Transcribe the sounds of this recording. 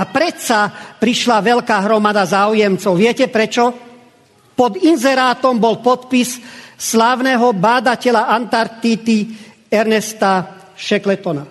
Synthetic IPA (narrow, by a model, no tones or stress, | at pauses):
apɾɛt̪sapɾiʃlaʋɛlkaːɦɾɔmad̪azaːujɛmt͡sɔʊʋɪɛcɛpɾɛt͡ʃɔ | pɔd̪inzɛɾaːt̪ɔmbɔlpɔt̪pisslaːʊnɛɦɔbaːd̪acɛlaʔant̪aɾt̪it̪i | ɛɾnɛst̪a | ʃɛklɛt̪ɔna